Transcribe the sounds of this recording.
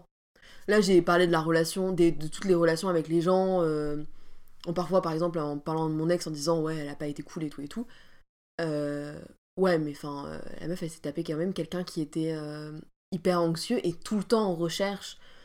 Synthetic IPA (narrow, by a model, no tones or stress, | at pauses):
laʒepaʁled̪əlaʁəlasjɔ̃d̪ed̪ət̪u̥t̪leʁəlasjɔ̃avɛkleʒɑ̃ø | ɔ̃paʁfwapaʁɛɡzɑ̃p̬lɑ̃paʁlɑ̃d̪əmɔ̃nɛksɑ̃d̪izɑ̃wɛɛlapaet̪ekʰulet̪ʰuet̪ʰu | ø | wɛmɛɑ̃fɛ̃ø̰la̰mœfase̥t̪apekɑ̃mɛmkʲɛlkʲɛ̃kʲʰiet̪ɛø | ipɛʁɑ̃ksjøʔet̪ʰult̪ɑ̃ːʁəʃɛʁʃ